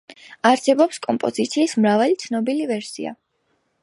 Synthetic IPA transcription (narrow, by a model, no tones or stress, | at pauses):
aɾsɛbɔpskʼɔmpʼɔzit̪sʰiːsmɾavalit̪sʰnɔbilivɛɾsḭa̰